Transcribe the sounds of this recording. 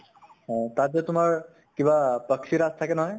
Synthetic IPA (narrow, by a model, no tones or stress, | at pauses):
ɦɔ̃t̪ad̪et̪umaɾ | kibapəkʃʰiɾast̪ʰakenəɦɔj